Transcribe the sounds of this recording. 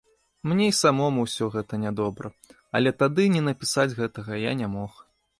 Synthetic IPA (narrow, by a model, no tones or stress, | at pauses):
mnʲejsamɔmuwsʲɔɣɛt̪ɐnʲad̪ɔbɾɐ | ɐ̰lʲɛt̪ad̪ɨnʲɛnɐpʲisad͡zʲɣɛt̪ɐɣɐja̰nʲamɔx